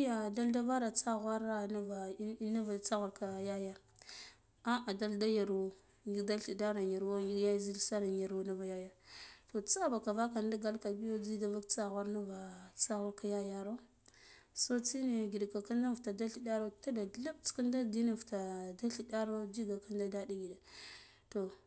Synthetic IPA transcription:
ja˨da˦lda˦va˦ɾa˨t͡sa˦ɣwa˦ɾa˦na˦va˨˦na˦va˨t͡sa˦ɣu˨ɾka˨ja˦ja˦ | a˦a˨da˦lda˦ja˨ɾu˨ | ni˦da˦ɬi˨da˦ɾa˨ja˨ɾwa˦ja˦zi˦lsa˦ɾa˨n˨ja˨ɾu˨˦na˦va˨ja˦ja˨to˨t͡sa˦ba˨ka˨va˦ka˨nda˦ɡa˦lka˨bi˦jo˦d͡zi˦da˦va˦kt͡sa˦ɣa˦ɾna˦va˨t͡sa˦ɣu˦ɾka˦ja˦ja˦ɾo˦ | so˦t͡si˦ne˨ɡi˨da˨ka˨ka˦nda˦vta˨da˦ɬi˨da˦ɾo˦ta˦da˨ɮa˦bt͡ska˦nda˦di˦na˨vta˨da˦ɬi˨da˦ɾo˦d͡ʒi˦ɡa˨ka˦nda˦da˦di˦ɡi˨da˨ | to˨

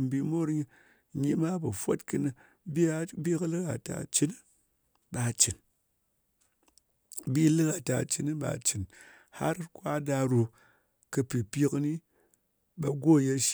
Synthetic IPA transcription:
m˨bi˧mo˦ɾɲi˧ | ɲi˦ma˦bɨ˨fo˦tkɨ˧nɨ˧ | bi˦bi˦kɨ˦lɨ˦ka˨ta̰˨t͡ʃi˦n˦ | ba˨t͡ʃi˨n | bi˦lɨ˦ka˨ta˨t͡ʃi˦n˦ba̰˨t͡ʃi˨n | ha̰˦ɾkʷa˦da˧ɾu˧ | kɨ˧pi˨pʲi˦kɨ˧ni˦ | ba˧ɡo˦˨je˦ʃ

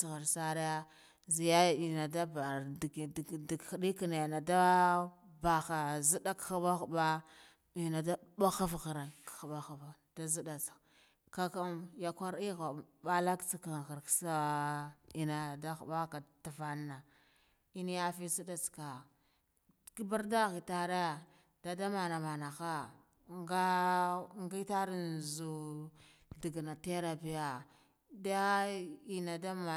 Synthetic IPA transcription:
sɣa˨ɾsa˦ɾi˦ja˦ | zi˨ja˦ja˨i˨na˨da˦ba˨ | di˨xɗi˦ka˨na˨na˨da˦ | ba˨xa˨zi˦da˦kxba˦xu˨ba˦ | i˨na˨da˦ba˦xa˦fɣa˨ɾa˨nkxba˦xa˨va˨ | d̥a˦zi˦da˨t͡s | ka˦ka˦mja˨kʷa˦ɾi˦ɣa˨ba˦la˦kt͡si˨ka˨ɣa˨ɾksa˦ | i˨na˨da˦xa˨ba˦ka˨ta˨va˦nːa˨ | i˦n˦ja˦fi˦si˦da˨t͡ska˨ | ki˦ba˦ɾda˦ɣi˨ta˦ɾa˦ | da˨da˦ma˨na˨ma˨na˨xa˦ | ŋɡa˦ | ŋɡi˦ta˦ɾi˦n˨zu˨ | di˨ɡna˨te˦ɾa˨pi˨ja˨ | da˦i˨na˨da˦ma˨

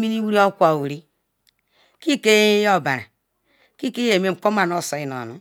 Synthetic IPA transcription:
mi˦ni˦wi˦ɾi˦o˦kʷa˨wu˨ɾi˦ | ki˦˨ke˦jo˦˨ba˨ɾa̰˨ | ki˦ke˦je˨me˦ŋ͡m̩˨k͡po˦ma˨n˦o˦˨so˨i˦˨no̰˨nu˨

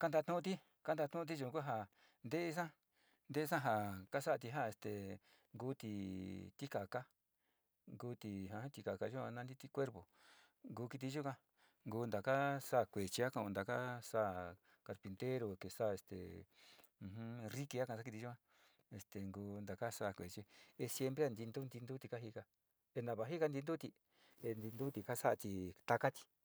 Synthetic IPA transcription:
ka˦nd̪a˧t̪ũ˦˧t̪̬i˦ | ka˦nd̪a˧t̪ũ˦˧t̪̬i˦ʒu˧˨˧ku˦ɦa˧ | nd̪e˦ʔe˦s̬ã˦ | nd̪e˦˧s̬ã˦ɦa˧ka˦sa˦a˧t̪̬i˧ɦa˦e˧˨st̪e˨ | ŋɡuː˧˦t̪i˧t̪i˦ka˨ka˦ | ŋɡuː˧˦t̪i˧ɦã˧ã˦t̪i˧ka˨ka˧ʒu˦ã˧nã˦˧nd̪i˦t̪i˦kʷe˦ɾpo˨ | ŋɡuː˧ki˧t̪̬i˧ʒu˦kʷã˦ | ŋɡuː˧nd̪a˨ka˦sa˦˨kʷe˨t͡ʃi˧a˦kã˧õ˧nd̪a˨ka˦sa˦˨ | ka˧ɾpi˧nt̪e˦ɾo˧ke˨sa˦˨e˧˨st̪ḛ˨ | ũ˧hũ˦ri˦ki˧a˦kã˧a˦ki˧t̪i˧u˦kã˧ | e˧st̪e˨ŋɡuː˧nd̪a˨ka˦sa˦˨kʷe˨t͡ʃi˧˦e˧sje˧mpɾe˦a˧nd̪i˧nd̪u˦nd̪i˧nd̪u˦t̪i˧ka˦ɦi˧ka˧ | e˧nã˧βa˨˧ɦi˦ka˧nd̪i˧nd̪u˦t̪i˧ | e˧nd̪i˧nd̪u˦t̪i˧˨ka˦sa˦a˧t̪i˧t̪a˧ka˦t̪i̥˧

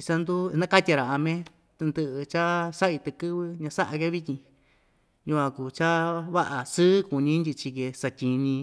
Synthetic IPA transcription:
i˧sa˧nd̪u˦˧nã˦ka˦t̪ʲa˧ɾa˨a˧mẽ˦ | t̪ɨ˧nd̪ɨ˧ʔɨ˧t͡ʃa˦sa˦ʔi˧t̪ɨ˧kɨ˦βɨ˧ɲã˧sa˦ʔa˧ke˦βi˦t̪ʲĩ˧ | jũ˧kʷã˧ku˨t͡ʃa˦βa˦ʔa˨sɨː˦ku˨nĩ˧˦nd̪ʲi˧t͡ʃi˧ke˧sa˧tʲi˧nĩ˧

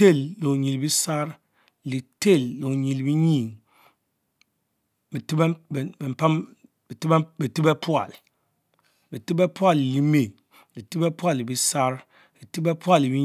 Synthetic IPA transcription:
e˦˨lːo˨ɲi˨lbi˦sa˦ɾ | li˨te˦˨lːo˨ɲi˨lbi˦ɲi˨ŋ | bi˨ti˦be˨m̩˨pa˦m | bi˨ti˦bbi˨ti˦be˦pʰwa̰˨l | bi˨ti˦be˦pu˦a˦˨lli˦me˨ | li˨ti˦be˦pwa˦˨li˨bi˦sa˦ɾ | li˨ti˦be˦pwa˦li˨bi˦

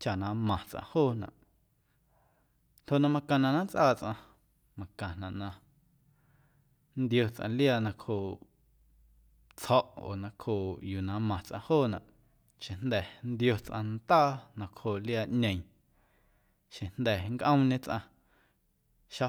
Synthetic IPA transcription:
t͡ʃa˨nã˨˧mã˨t͡sʔã̰˧hoː˦˨nã̰˨ʔ | no˧˨ʔnã˧mã˧kã˨nã˨nã˦t͡sʔaː˦˨t͡sʔã˧ | mã˧kã˨nã˨ʔnã˧ | nd̪jo˧t͡sʔã̰˧ljaː˧˨nã˧khoː˧˨ʔ | t͡shɔ˦ʔo̰ː˨nã˧kʰhoː˧˨juː˨nã˨˦mã˨t͡sʔã̰˧hoː˦˨nã˨ʔ | ʃẽ˨nd̪ɛ˨nd̪jo˧t͡sʔã˧nt̪aː˦˨nã˧khoː˨ljaː˧ʔɲẽ˨j̃ | ʃẽ˨nd̪ɛ˨ŋkʔə̃˦w̃ɲẽ˦t͡sʔã̰˧ | ʃa˧

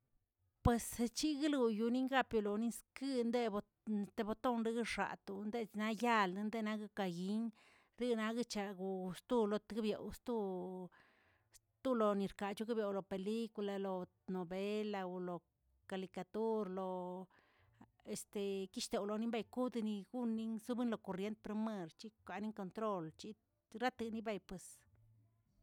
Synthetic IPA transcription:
pwe˨st͡ʃi˦ɡi˦lu˧ju˧ni˦ŋɡa˦pju˧lo˨ni˦skɨ˦nd̪e˦bo˧ | st̪e˧bo˧t̪o˦nɾi˦ɡɨ˦ʂa̰˨t̪u˧nd̪e˦˧na˧ja˦lnd̪e˦˧na˧ɡɨ˦ka˨ɡi˧˦n | ɾi˦na˧ɡɨ˦t͡ʃa˧ɡu˨˧st̪u˦˧lo˧t̪ɡi˦bjo̰˨wst̪u˦ | s | t̪u˦lo˨ni˨ɾka˨t͡ʃu˦ɡi˦bje˨wlo˨pe˨li˦ku˧la˧lo˨ | no˨be˦la˧u˧lo˨ | ka˨li˧ka˨˧t̪u˦ɾlo˨ | e˨st̪e˨ki˦ʃt̪e˨wlo˨ni˦mba˧jku˦d̪ni˧ɡu˦nːi˦ŋsu˦bɨ˦nlo˧˨ko˨ɾje˧nt̪̚pɾe˧me˧ɾt͡ʃi˦kʷa˨ni˦ŋko˧nt̪ɾo˦lt͡ʃi˦ | ɾa˦t̪ɨ˧ni˦ba˧jpwe˨s

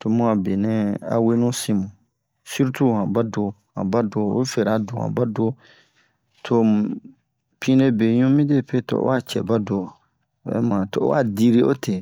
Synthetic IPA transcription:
to˨mũ˦a˨be˨nɛ̃˦a̰˨we˦nũ˦sĩ˦mũ˨ | si˦ɾu˦tu˦˨hã˨ba˦do˧ | hã̰˨ba˦do˨˦o˦fe˨ɾa˨do˨ã̰˨ba˦do˦ | tʰo˦ | pʰĩ˦ne˦be˨ɲũ˦mĩ˦de˦˨pe˦to̰˨o̰˦a˦˨t͡ʃɛ̰˨ba˦do˨ | bɛ̰˨˦mã˨to̰˨˦a̰˦˨di˦ɾi˦o̰˦tʰe˨

